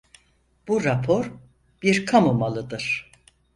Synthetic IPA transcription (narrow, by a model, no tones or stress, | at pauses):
b̥uɾapʰo̞ɾ | biɾkʰamomalˠɯd̪ɯɾ̥